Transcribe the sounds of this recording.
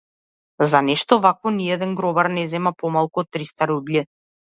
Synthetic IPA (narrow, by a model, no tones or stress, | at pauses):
zanɛʃt̪ɔvakvɔniɛd̪ɛnɡɾɔbaɾnɛzɛmapɔmalˠkuɔt̪ːɾist̪aɾublʲi